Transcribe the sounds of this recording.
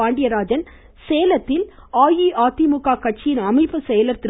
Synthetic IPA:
aːɳɖɪjɐɾaːd͡ʒɐn | seːjlɐt̪ːɪlaːjiʔaːt̪ːimʊkːaːkɐʈ̚t͡ʃɪjɪnɐmɐɪpːɯsɛjɐlɐɾt̪ːɪ

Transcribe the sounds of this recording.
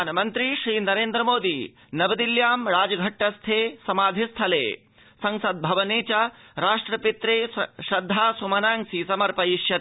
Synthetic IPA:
aːnɐmɐnt̪ɾiʃɾiːnɐɾeːnd̪ɾɐmoːd̪i | nɐbɐd̪iljaːmɾaːd͡ʒɐɡʱɐʈːɐst̪ʰeːsɐmaːd̪ʱist̪ʰɐlḛː | sɐŋsɐd̪̚bʱɐʋɐneːt͡ʃɐɾaːʂʈɾɐpit̪ɾeːʃɾɐd̪ʱːaːsumɐnaːŋsisɐmɐɾpɐiʃjɐ

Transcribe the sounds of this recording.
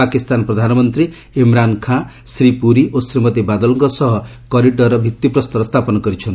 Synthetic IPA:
akist̪anɔpɾɔd̪ʱanɔmɔnt̪ɾi | imɾankʰã | sɾipuɾiʔosɾimɔt̪ebad̪ɔlɔŋkɔsɔɦɔ | kɔɾiɖɔɾɔbʱit̪ːipɾɔst̪ɔɾɔst̪ʰapɔnɔkɔɾit͡ʃʰɔnt̪

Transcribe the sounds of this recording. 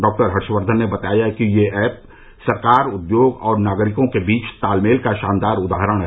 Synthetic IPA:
ɖɔːk̚ʈəɾɦɐɾʃʋəɾd̪ʱənːebɐt̪aːjakijeɛːp̚ | sɐɾkaːɾʊd̪joːɡɔːɾnaːɡɾɪkõkebiːt͡ʃt̪aːlmeːlkaʃaːnd̪aːɾʊd̪aːɦɾəɽ̃ɦ

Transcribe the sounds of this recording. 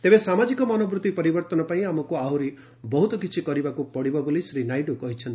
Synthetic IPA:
t̪ebesamad͡ʒikɔmɔnɔbɾut̪ipɔɾibɔɾt̪ɔnɔpaĩamɔkuawɾi | bɔɦut̪ɔkit͡ʃʰikɔɾibakupɔɽibɔbolisɾinajɖukɔɦit͡ʃʰɔnt̪i̥

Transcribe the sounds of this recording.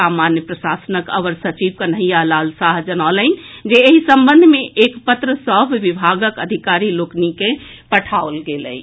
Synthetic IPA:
amanjəpɾəsasənəkə̰ʋəɾsət͡ʃiʋkənəɦijalaːlsaɦd͡ʒənaolənd͡ʒeːɦisəmbənd̪ʱmẽʔekpət̪ɾəsəbʱʋibʱaɡəkəd̪ʱikaɾiloknike | pəʈʰaolɡelə̰i

